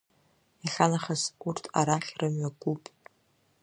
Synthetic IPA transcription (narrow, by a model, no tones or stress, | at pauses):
aɬanaχazurtʰa̰ɾaχʲrɨmɥaɡʷupʼ